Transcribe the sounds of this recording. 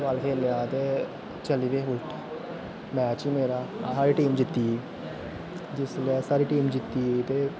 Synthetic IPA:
baːlkʰeːljaːt̪eː | t͡ʃəliːʋeːɦʊlʈ | mɛ̃ːt͡ʃiːmeːɾaːsaːɾiːʈiːmd͡ʒɪt̪ːi | d͡ʒɪslːsaːɾiːʈiːmd͡ʒɪt̪ːiːt̪eː

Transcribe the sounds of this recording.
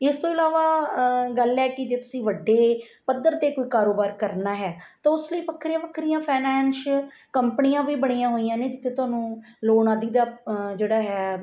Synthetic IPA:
ɪst̪õːɪlaːʋaːɡəlɛːkɪd͡ʒeːt̪ʊsĩːʋəɖːeː | pəd̪ːəɾt̪eːkoːiːkaːɾoːbaːɾkəɾnaːɦɛːt̪ãːʊsləiːpəkʰːɾijãːpəkʰɾijãːpʰɛːnɛːnʃkəmpənijãːʋiːbəɽ̃iːãːɦoːijãːnẽːd͡ʒɪt̪ʰːeːt̪ʊaːnũː | loːɳaːd̪iːd̪aːd͡ʒeːɽaːɦɛː

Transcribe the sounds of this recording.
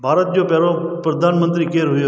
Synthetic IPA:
bʱaːɾət̪̚d͡ʑopɛɾo | pɾəd̪ʱaːnmə̃nt̪ɾikeːɾɦʊjo

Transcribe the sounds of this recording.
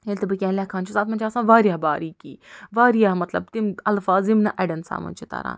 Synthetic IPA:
elt̪ɐbɨkʲɛ̃ːnlʲaːkʰãːnt͡ʃʰusaːt̪mɐnt͡ʃʰaːsãːʋaːɾijaːbaːɾiːkḭːʋaːɾijaːmɐt̪lɐ̰b̚t̪imɐlfaːzɪmnɐʔɐɖɐnsa̰ːmɐ̰nʲt͡ʃʰit̪a̰ːɾa̰ːn

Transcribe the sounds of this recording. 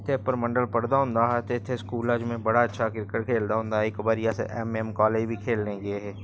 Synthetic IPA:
t̪ʰepəɾmɐ̃ɳɖəlpɐɽd̪aɦʊ̃nd̪aɦɛt̪ːt̪ʰːeskuːlaːd͡ʒmẽbɐɽaɐtːʃʰakɪɾkəʈkʰeːld̪aɦʊ̃nd̪aekbəɾjasḛʔɛmɛmkaːleːd͡ʒbʱikʰeːlnẽɡeɦɛː

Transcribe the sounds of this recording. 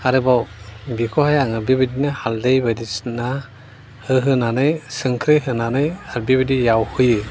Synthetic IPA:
aɾɯbɔbikʰɔhajaŋɯbibidinɯhaldɯjbadisna | hɯɦɯnanɯjsɯŋkʰɾɯjɦɯnanɯjaɾbibidijawhɯjɯ

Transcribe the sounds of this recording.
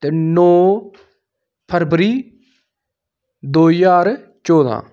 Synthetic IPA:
t̪eːnoː | pʰəɾbəɾiː | d̪oːijaːɾ | t͡ʃɔːd̪a̰ː

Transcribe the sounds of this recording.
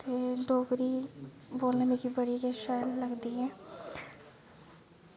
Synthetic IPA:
t̪eɖoːɡɾiboːlnemẽkibəɽikeʃaːjlːəɡd̪iɦɛ̃ː

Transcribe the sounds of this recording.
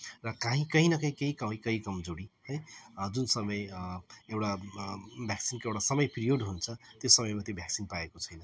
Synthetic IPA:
rʌkãɦĩkʌɦinʌkãɦĩkeɦikʌmĩkʌɦĩkʌmd͡zoɽihʌjd͡zunsʌmʌjewʈa | bʱjaksinkoewɽasʌmʌjpirioɖɦunt͡sʰʌt̪josʌmʌjmat̪jobʱjaksinpaekot͡sʰʌjnʌ

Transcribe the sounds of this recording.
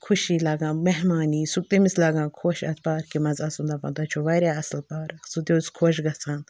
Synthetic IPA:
kʰuʃilaːɡãːmeɦmaːniːsuk̚t̪emislaːɡãːkʰoːʃɐ̰t̪̚ʰpaːɾkimɐzaːsũnd̪aːpɐ̰nd̪at͡ʃʰuʋɐɾʲjaːɐslpaːɾɐksut̪ʲjoskʰoːʃ̬ɡɐt͡sʰaːn

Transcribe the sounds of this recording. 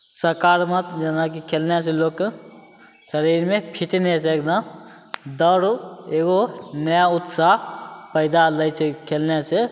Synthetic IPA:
səɾkaɾmət̪d͡ʒənak̬ikʰelnes̬elokː | səɾiɾmepʰiʈneseekd̪əm | d̪əɾeɡonəjaʊt̪saɦpəɪd̪aləjt͡ʃʰekʰelnese

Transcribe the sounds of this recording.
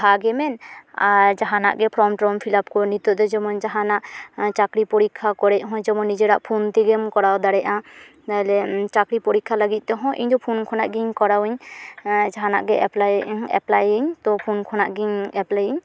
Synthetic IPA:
baɡɛmɛnaɾd͡ʒaɦana̰ʔɡɛpʰɾɔmʈɾɔmpʰilapkɔnit̪ɔd̪ɔd͡ʒɛmɔnd͡ʒaɦanaʔt͡ʃakɾipɔɾikʰːakɔɾɛʔ̚ɦɔ̃d͡ʒɛmɔnːid͡ʒeɾaʔpʰunt̪iɡɛmkɔɾawd̪aɽɛʔã | t̪alɛt͡ʃakɾipɔɾikʰːalaɡit̪̚ˀd̪ɛɦɔ̃ʔḭɲd̪ɔpʰunkʰɔna̰ʔɡiɲkɔɾawiɲ | d͡ʒaɦana̰ʔɡɛʔɛplaɛ̰plajiɲt̪ɔpʰunkʰɔnaʔɡiɲɛplajiɲ

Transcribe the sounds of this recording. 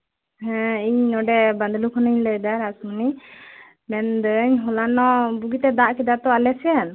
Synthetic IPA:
hɛ̃iɲnɔɖɛband̪lukʰɔnəɲləjd̪aɾasməni | mɛnd̪əɲɦɔlanɔbuɡit̪ɛd̪aʔkɛd̪at̪ɔalɛsɛjan

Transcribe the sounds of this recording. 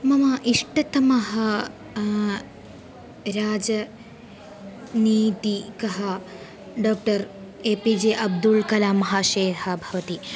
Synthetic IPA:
mɐmɐʔiʂʈɐt̪ɐmɐɦɐ | ɾaːd͡ʒɐ | niːt̪ikɐɦɐ | ɖoːk̚ʈɐɾ | eːpid͡ʒeːʔɐb̚d̪ulkɐlaːmɐɦaːʃeːɾhɐbʱɐʋɐt̪i

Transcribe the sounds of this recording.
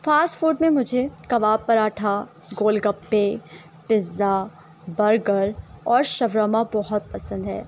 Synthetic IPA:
faːsʈfuːɾɖmẽmʊd͡ʒʱekɐʋaːbpːɐɾaːʈʰa | ɡoːlɡɐpːe | pɪza | bɐɾɡəɾɔːɾʃɐʋɾaːmabɔɦʊt̪̚pɐsə̃nd̪ɦɛː

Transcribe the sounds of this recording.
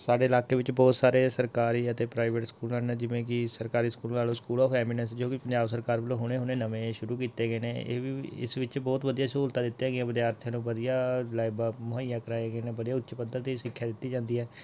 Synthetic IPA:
saːɖeːɪlaːkeːʋɪt͡ʃbɔːt̪saːɾeːsəɾkaːɾiːət̪eːpɾaːɪʋeʈskuːlãːneːd͡ʒɪʋẽːk̬ɪsəɾkaːɾiːskuːlːnaːlõːskuːlɔːfɛːmɪnənsd͡ʒoːkɪpəɲd͡ʒaːbsəɾkaːɾbəlõːɦʊñeːɦʊneːnəʋẽːʃʊɾuːkiːt̪eːɡəeːneːḛːʋiːɪ̰sʋɪt͡ʃbɔːt̪ʋəd̪ijaːsuːlt̪aːd̪ɪt̪ːejãːɡɪãːbəd̪jaːəɾt̪ʰjãːnũːʋəd̪ijaːlaːɪbaːmʊɦaɪjãːkəɾaːeɡeːneːbəd̪ijaːʊtːt͡ʃpəd̪əɾt̪eːʃɪkʰːjaːd̪ɪt̪ːiːd͡ʒãːnd̪iːɦɛː

